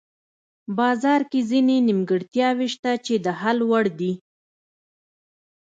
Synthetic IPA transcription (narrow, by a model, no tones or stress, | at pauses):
bɑzɑɾkezinenimɡəɽt̪jɑweʃt̪at͡ʃed̪əɦalwaɽd̪i